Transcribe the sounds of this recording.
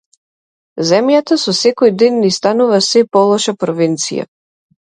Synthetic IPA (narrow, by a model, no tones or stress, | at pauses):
zɛmjat̪asɔsɛkɔjd̪ɛnːist̪anuvasɛpɔlˠɔʃapɾɔvint̪sija̰